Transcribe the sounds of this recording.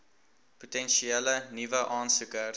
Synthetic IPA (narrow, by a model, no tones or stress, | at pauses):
putɛnʃiɛlənivəʔɑːnsukər